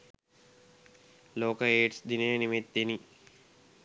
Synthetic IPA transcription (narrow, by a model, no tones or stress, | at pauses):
loːkəeːʈsd̪inəjnimet̪d̪eni